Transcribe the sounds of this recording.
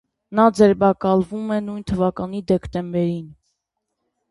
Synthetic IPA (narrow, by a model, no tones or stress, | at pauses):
nɑd͡zɛɾbɑkɑlvumɛnujnt̪ʰəvɑkɑn̪id̪ɛkt̪ɛmbɛɾin